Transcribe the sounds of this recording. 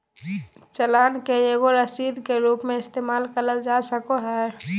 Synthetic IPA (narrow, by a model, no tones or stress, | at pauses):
t͡ʃəlaːnkeeɡoɾəsiːd̪keɾuːpmẽɪst̪eːmaːlkəɾəld͡ʒasəkoɦɛː